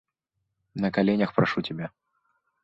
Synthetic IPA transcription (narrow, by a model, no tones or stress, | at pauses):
nɐkalʲenʲɐxpɾaʂutʲabʲa